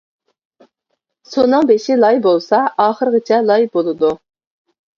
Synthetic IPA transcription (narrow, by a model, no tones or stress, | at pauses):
sonːɨŋbeʃɪlˠɑjbolˠsɑɑːχəɾəʁət͡ʃʰɛlˠɑjbolˠɨd̪u